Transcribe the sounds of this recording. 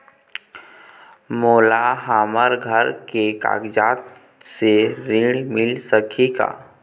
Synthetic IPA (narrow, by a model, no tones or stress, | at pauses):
moːlaɦaːməɾɡʱəɾkeka̰ːɡd͡ʒaːt̪ | seɾiɽmɪlsəkʰika̰ː